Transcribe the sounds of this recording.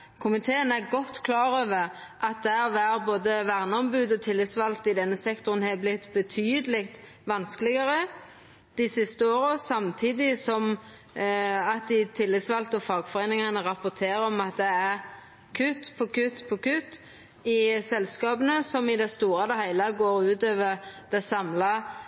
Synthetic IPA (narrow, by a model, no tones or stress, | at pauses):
kʰʊmɪt̪ʰeːənæɾɡɔt̪ːkʰlɑːɾøːʋəɾʔɑt̪̚d̪ɛæʋæːɾboːd̪əʋæʁnəɔmbʉːd̪ɔt̪ʰɪlːɪt̪sʋɑlt̪ɪd̪ɛnːəsɛkt̪ʊʁənhɛblɪt̪ːbət̪ʰyːd̪əlɪkt̪ | ʋɑnskəlɪɡɑɾə | d̪̥ɪsɪst̪əoːɾəɔsɑmt̪ʰiːd̪ɪsɔm | ɑt̪̚d̪ɪt̪ʰɪlːɪt̪sʋɑlt̪ɔfɑːɡfɔɾeːnɪŋɑnəʁɑpʊt̪ʰeːɾəɔmɑt̪̚d̪ɛæɾ | kʰʉt̪ːpʰɔkʰʉt̪ːpʰɔkʉt̪ː | ɪsɛlskɑːbənəsɔmɪd̪ɛst̪uːɾɑd̪ɛhæɪlɑɡoːɾʉːt̪øːʋəʁd̪̥ɛsɑmlɑ